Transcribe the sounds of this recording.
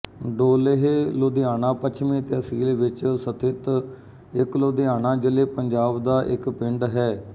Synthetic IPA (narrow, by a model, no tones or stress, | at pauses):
ɖoːleɦeːloːd̪ejaːnãːpət͡ʃʰmẽːt̪eːəsiːlʋɪt͡ʃsət̪ʰɪt̪ | ɪkloːd̪ejaːnãːd͡ʒəleːpəɲd͡ʒaːbd̪aːʔɪkpɪɳɖɦɛː